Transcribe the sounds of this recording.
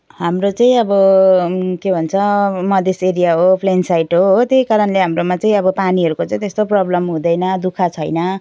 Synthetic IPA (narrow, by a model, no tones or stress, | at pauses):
ɦamrot͡sãĩʌbʌ | kebʱʌnt͡sʰʌmʌd̪ʱeseɾijaɦopʰlensajʈɦoɦot̪jejkaɾʌnleɦamromat͡saĩʌbʌpaniɦʌɾukot͡sãĩt̪est̪oprʌblʌmɦũd̪ʌjnʌd̪ukʰat͡sʰʌjnʌ